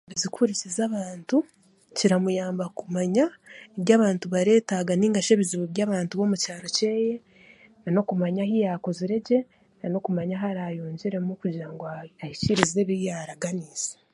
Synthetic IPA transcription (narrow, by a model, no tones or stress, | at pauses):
βizikʰuɾisezaβaːntu | ciɾamujaːmbakumaɲaeβjaːβaːntuβaɾe̞ːtaɡaniːŋɡaʃeβiziβuβjaːβaːntuβo̞mucaːɾo̞ce̞ːje | nano̞kumaɲahijakoziɾe̞ɟe̞ | nano̞kumaɲaɦaɾajoːɲɟiɾe̞mukuɟiɾaŋɡoahiciɾize̞βijaːɾaɡaniːz̥e̥